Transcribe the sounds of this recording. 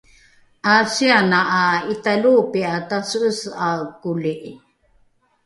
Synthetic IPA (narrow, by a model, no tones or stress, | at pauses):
ʔasianaʔːitalupiatasəʔəsakuliʔ